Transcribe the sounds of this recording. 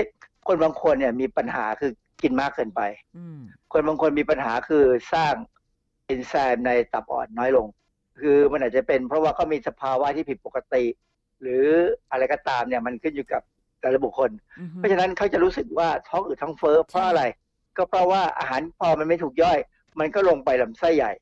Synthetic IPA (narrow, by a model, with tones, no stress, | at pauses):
kʰo˧nbaː˧ŋkʰo˧nːi˥˩miː˧pa˧nha̰ː˩˦kʰɯː˧ | ki˧nmaː˥˩kʰːɤː˧npa˧j | kʰo˧nbaː˧ŋkʰo˧nmiː˧pa˧nɦaː˩˦kʰɯː˧saː˥˩ŋ | ʔi˧nsɛː˧mna˧jt̪a˨˩p̚ʔɔ̰ː˨˩nːɔː˦˥jlo˧ŋ | kʰɯː˧ma˧nʔaː˨˩t͡ɕa˨˩pe˧npʰɾɔ˦˥waː˥˩kɔː˥˩miː˧sa˧pʰaː˧wa˦˥t̪ʰiː˥˩pʰi˨˩po˨˩ka˧t̪i˨˩ | ɾɯː˩˦ʔa˧ɾa˧jkɔː˥˩t̪aː˧mni˥˩ɐma˧nkʰɯ˥˩njuː˨˩ka˨˩p̚ | daː˨˩la˧˩bu˨˩kʰːo˧npʰɔ˦˥˩t͡ɕʰa˧na˦˥nkʰa˦˥˩wt͡ɕa˨˩ɾuː˦˥sɯ˨˩k̚waː˥˩t̪ʰɔ˦˥k̚ʔɯː˨˩t̪ʰɔ˦˥ŋfɤː˦˥pʰɾɔ˦˥ʔa˧ɾa˧j | kɔː˥˩pʰɾɔ˦˥waː˥˩ʔa̰ː˧ɦaː˩˦npʰɔː˧ma˧nma˥˩t̪ʰuː˨˩k̚jɔː˥˩j | ma˧nkɔː˥˩lo˧ŋpa˧jla˨˩˦msa˥˩jːa˨˩j